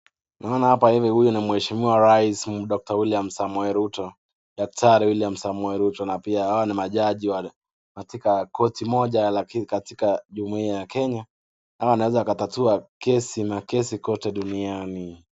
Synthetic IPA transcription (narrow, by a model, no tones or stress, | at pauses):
naɔnahapahivihujunimwɛʃimiwaɾaismɗɔk̚tawiliam̩samwɛɾutɔ | ɗak̚tʰaɾiwiliam̩samwɛɾutɔnapiahawanimaʄaʄiwa | katikakʰɔtimɔʄalakikatikaʄumuiajakɛɲa | nawaanawɛzaːkatatuakɛsinakɛsikɔtɛɗuniani